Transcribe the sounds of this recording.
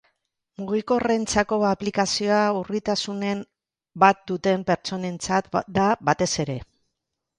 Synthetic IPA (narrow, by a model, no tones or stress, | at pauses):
muɣiko̞re̞nt͡sako̞aplikasio̞aurit̪asune̞m | bat̪̚d̪ut̪e̞mpe̞ɾt͡ʃo̞ne̞nt͡sat̪d̪abat̪e̞se̞ɾe̞